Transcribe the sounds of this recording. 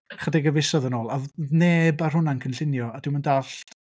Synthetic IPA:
χədɪɡəvɪsɔðənoːlˠaneːbarɦʊnankʰənɬɪnjɔadɪwməndaɬ

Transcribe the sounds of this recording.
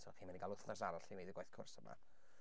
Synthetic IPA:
tʰɔχiːmandiɡalʊθnasaɾaɬiwejdɪɡajθkʰʊ̰rsəma̰

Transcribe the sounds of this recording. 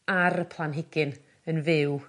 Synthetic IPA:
aɾəpʰlˠanɦɪɡɪn | ənvɪw

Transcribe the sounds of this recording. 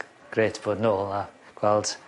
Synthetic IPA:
ɡ̥reːtʰb̥oːdnoːlˠaɡ̥wɛlˠd̥

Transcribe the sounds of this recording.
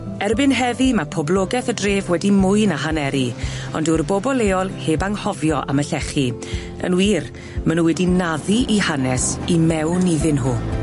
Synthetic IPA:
ɛrbɪnɦɛðimapʰɔblɔɡɛθədreːvwɛdimʊjnaɦanɛɾiɔ̰ndʊrbɔbɔlˠeːɔlˠheːbaŋhɔvjɔʔa̰məɬɛχi | ə̰nwiːr | mənuwɛdinaðiʔihanɛsimɛwniðɪnɦuː

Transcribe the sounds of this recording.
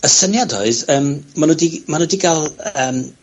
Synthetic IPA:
əsənjadɔɨðəːmmanədimanudiɡalˠəːm

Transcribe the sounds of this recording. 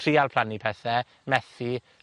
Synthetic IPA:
riːalˠpʰlanipʰɛθɛ | mɛθi

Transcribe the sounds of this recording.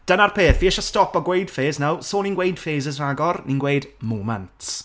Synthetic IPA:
d̥ənarpʰeːθviɛʃɔstɔpɔɡwejd̥feːznawsoːninɡwejd̥feːzəzraɡɔrninɡwejdmoːmantss

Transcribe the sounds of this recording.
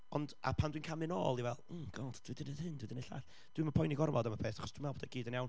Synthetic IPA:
ɔnda̰pʰandwinkʰamɨno̰ːlˠivɛl̩ˠɡ̥ɔd̥d̥widɪnəhɨnd̥widəneɬa̰ːɬ | d̥wimapʰɔjniɡɔrvɔdaməpʰeːθaχɔsd̥winmɛboːdəɡiːdənjawn

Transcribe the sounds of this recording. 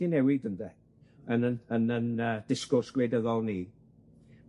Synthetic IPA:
inɛwɪdəndɛ | ənəənənəːd̥ɪskɔrsɡ̥wedəðɔlˠniː

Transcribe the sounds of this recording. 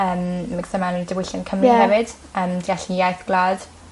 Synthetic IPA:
əːmːɪɡsəmanəidəwɪɬankʰəmriahɛvɪd̥ | əːmdiaɬijajθɡ̥laːd̥

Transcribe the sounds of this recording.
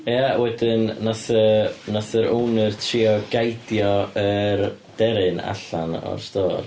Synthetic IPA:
jawɛdɨnːaθənɔθəɾownərtʰriɔɡ̥ajdjɔərd̥ɛɾɨna̰ɬanɔ̰rstoːr

